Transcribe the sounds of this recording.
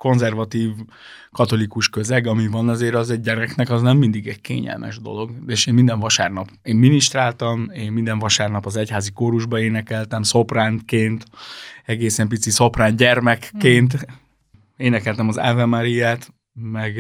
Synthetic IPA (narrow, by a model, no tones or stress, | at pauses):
ko̞nzɛrvɒt̪iːv | kɒt̪o̞likuʃkøzɛɡɒmivɒnɛzeːɾɒzɛɟɟɛɾɛknɛkɒznɛmːind̪iɡɛɟkḛːɲɛ̰lmʔɛ̰ʒd̪o̞̰lo̞ɡeːʃeːmmind̪ɛɱvɒʃaːrnɒpeːmːiniʃt̪raːlt̪ɒmeːmmind̪ɛɱvɒʃaːrnɒpɒzɛchaːzikoːɾuʒbɒeːnɛkɛlt̪ɛmso̞praːŋkeːnt̪ɛɡeːsɛmpit̪siso̞praːnɟɛrmɛkːeːnt̪ | eːnɛkɛlt̪ɛmɒzɛ̰vɛmaɾijaːt̪ | mɛɡ